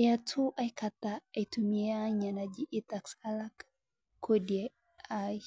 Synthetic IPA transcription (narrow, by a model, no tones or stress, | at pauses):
jatʰuʔajkat̪aajtumiaɲanad͡ʒiʔit̪aksalak | kːodia | aj